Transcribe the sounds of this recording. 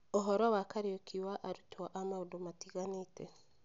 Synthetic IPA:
ɔɦɔɾawakaɾiokʰiwaʔaɾutwaʔamaudomatiɣanitɛ

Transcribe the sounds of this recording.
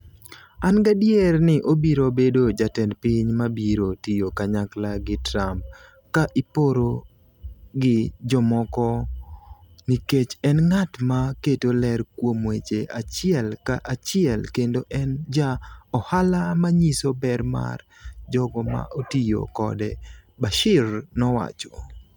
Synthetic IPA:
anɡadjɛrnɪʔobiɾobedod͡ʒatɛnpɪɲmabiɾotijokaɲaklaɡɪtɾamp̚ | kaʔipoɾo | ɡɪd͡ʒɔmɔkɔ | niket͡ʃɛnŋatmaketolɛrkwomwet͡ʃeʔat͡ʃɪɛlkaʔat͡ʃɪɛlkendoʔɛnd͡ʒaɔhalamaɲisobɛɾma̰r | d͡ʒɔɡɔma̰ʔotijo̰kɔ̰dɛ̰baʃɪrnɔwa̰t͡ʃɔ̥

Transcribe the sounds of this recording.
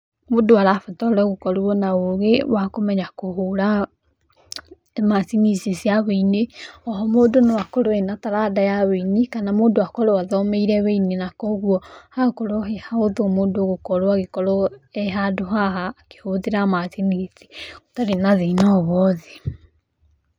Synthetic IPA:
modoaɾafɛtɔɾɔɣokɔɾuɔnaoɣewakomɛɲakoɦoɾa | masiŋisesiaβeineɔɦɔmoːdonewakɔɾoenataɾadajaweinikanamodoakɔɾowaðɔmeiɾɛweinenakɔɣwɔhakɔɾoɦehaoðomoːdoɣokɔɾoaɣekɔɾɔɛɦadoɦaɦaːke̥hoðeɾamasinise̥otaɾenaðeinɔβɔðe

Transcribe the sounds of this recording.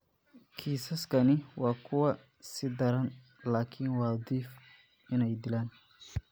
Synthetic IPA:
kʰiːsɐskʰɐnɪwɑːkʰʊwɐ | sɪd̪ɐɾɐn | laːkʰɪnwɑːd̪iːf | ɪnɛjd̪ɪlaːn

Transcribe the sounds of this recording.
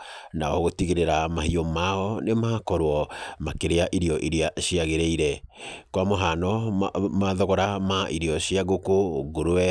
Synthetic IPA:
naɔɣotiɣeɾeɾamahiɔmaɔnemakɔɾwɔmakeɾeaʔiɾiɔʔiɾiaɕiaɣeɾɛiɾɛkwamɔɦanɔmaðɔɣɔɾamaʔiɾiɔɕiaɣokoɡoɾoɛ

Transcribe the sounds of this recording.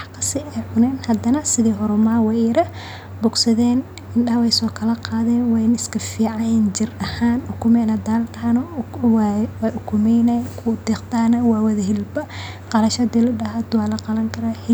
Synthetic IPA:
wħkʰɐ̥sɪɛjʕʊnɛːnhɐd̪ɐnɐsɪðiːɦɔɾʊmaːwɛɾɐ | bʊɡsɐðɛːn | ɪnɗɐhwɛjsɔːkʰɐlɐqɑːðɛːnwɛjnɪskʰɐfiːʕɑɛnd͡ʒɪrɐhaːnʊkʰʊmɛnɐd̪aːlt̪ɐanɔwwɛʔʊkʰʊmɛjnajkʰʊd̪ɛːqt̪aːnɐwaːwɐðɐɦɪlbɐ | qɑlɐʃɐd̪ilʊdɐɦad̪waːlɐqɑlɐŋkʰɐɾaːhɪ

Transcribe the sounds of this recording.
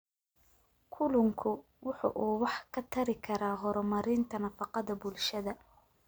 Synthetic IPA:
kʰʊlʊŋkʰʊ | wʊħɑ̰ʔuːwɑħkʰɐt̪ʰɐɾɪkʰɐɾaːɦɔɾɔmɐɾɪnt̪ʰɐnɐfɑqɑðɐbʊlʃɐðɐ

